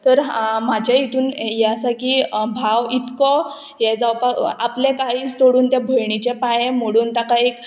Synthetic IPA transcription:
t̪əɾmad͡ʑʱait̪ʰuːnjɛasakiːbʱaʋit̪kɔ | jɛd͡zawpaaplekaɦiːt͡st̪oɽuːnt̪jabʱəjɳit͡ɕepajem̤əɽuːnt̪akaek

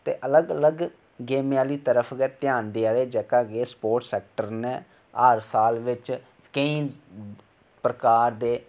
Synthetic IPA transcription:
t̪ḛːʔələɡələɡ | ɡeːmaːliːt̪əɾəpʰɡɛːt̪jaːnd̪eːaːd̪eːd͡ʒɛːkaːɡeːspoːɾʈsɛːk̚ʈəɾne | əɾsaːlʋɪt͡ʃ | kəĩː | pɾəkaːɾd̪eː

